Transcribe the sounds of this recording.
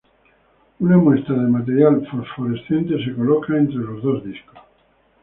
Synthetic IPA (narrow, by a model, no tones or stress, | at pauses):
unamwe̞st̪ɾaðemat̪eɾjalfoɾfoɾesθje̞nt̪eseko̞lokaẽnt̪ɾelozðo̞zðisko̥s